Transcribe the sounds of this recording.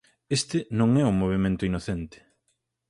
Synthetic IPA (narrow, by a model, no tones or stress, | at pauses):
est̪ɪnõŋɛʊmːoβ̞emẽnt̪ʊinoθent̪ɪ̥